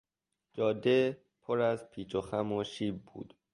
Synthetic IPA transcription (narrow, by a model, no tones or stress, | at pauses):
d͡ʒɒːd̪e | pʰoɾæzpʰiːt͡ʃoxæmoʃiːb̚ːṵːd̪̥